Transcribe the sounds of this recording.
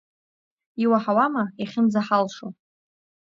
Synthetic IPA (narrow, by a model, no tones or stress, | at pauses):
iwaħawamaiχʲɪmzaħalʂo